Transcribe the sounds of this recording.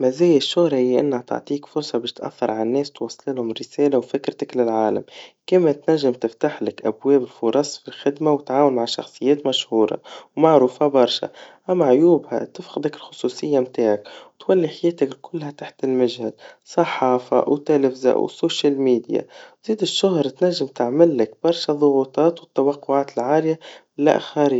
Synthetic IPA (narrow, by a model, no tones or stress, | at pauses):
mæzɛːjɪʃːʊhɾˤɑijʔɪ̰nːhæt̪a̰ʕt̪ˤiːkfʊɾˤsˤɑbɛːʃt̪ʔa̰θːɑɾˤʕalnːɛːst̪wɑsˤːlɪlhʊmɾɪseːlawfɪkɾt̪aklɪlʕaːla̰mkimat̪næʒːɪmt̪ɪft̪aħlɪkʔabwɛːbɪlfʊɾˤɑsˤfilxɪd̪mawɪt̪ʕaːwʊnmaʕʃɑ̰xsˤɨjːɛːt̪maʃhuːɾˤɑ̰wmaʕɾuːfabɑɾˤʃa̰ʔamːaʕjuːbha̰t̪ɪfxɪd̪akɪlxʊ̥sˤuːsɪjːamt̪aːʕakwt̪walːiħajeːt̪aklkʰʊlːhat̪aħt̪ɪlmɪʒhalsˤɑħɑːfa̰wt̪elɪfza̰ʔwsoːʃalmiːd̪ja̰wziːd̪ɪʃːʊɦɾˤt̪naʒːɪmt̪ɪʕmɪlːɪkb̥ɑɾˤʃaðˤʊɣuːt̪ˤɑːt̪wɪt̪ːawɑqːʊʕaːt̪ɪlʕaːlɪja | la̰ʔxaɾi